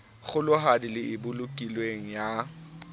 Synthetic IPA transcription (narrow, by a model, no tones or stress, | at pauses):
ɣʊlʊɦadilɪʔɪbʊlʊkʼilweŋ̩ja